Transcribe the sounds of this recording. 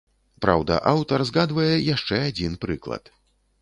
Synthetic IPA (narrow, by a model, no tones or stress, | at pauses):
pɾa̰wd̪ɐ̰ʔawt̪ɐrzɣad̪vɐjɛjaʂt͡ʂɛad͡zʲinpɾɨklˠɐ̰t̪